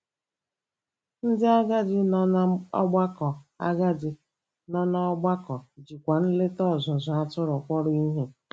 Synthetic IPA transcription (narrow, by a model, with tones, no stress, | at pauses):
n̩˦dɪ˦a˦ɡa˦dɪ˨n˦ɔ̰˦ɡ͡ba˦kɔ˨a̰˦ɡa˦dɪ˨ | nɔ˦nɔ˦ɔ˦ɡ͡ba˦kɔ˨d͡ʒi˨kʷa˨n̩˦le˦tɔ˦˨zʊ˨zʊ˨a˦tʊ˦ɾɔ˨kʷɔ˦ɾʊ˦i˦ɦe˦